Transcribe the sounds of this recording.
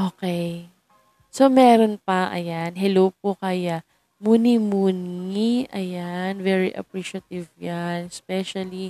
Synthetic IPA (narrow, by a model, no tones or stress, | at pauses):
ʔokɛj | so̞mɛːɾonpɐʔɐ̰janɦɛlowp̚okɐja | muːnimuːniʔɐjanvɛɹiʔɐ̰pɹiʃɐt̪ɪvjanɛspɛʃɐli